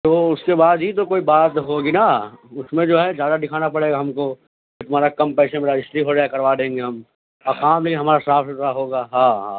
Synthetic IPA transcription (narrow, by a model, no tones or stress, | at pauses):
t̪oʊskebaːd̪ɦit̪̬okoːibaːt̪ɦoːɡinaʊsmẽd͡ʒoːɦɛd͡ʒjaːd̪ad̪ɪkʰaːnapɐɽeːɡaɦɐmko | et̪ʊm̤aːɾakɐ̃mpɛːʃameːɾad͡ʒɪsʈɾiɦoɾakɐɾʋaːd̪ẽːŋɡeɦɐm | ɐkaːmliiɦɐmaːɾasaːfsɪt̪aɦoːɡaːɦãːɦãː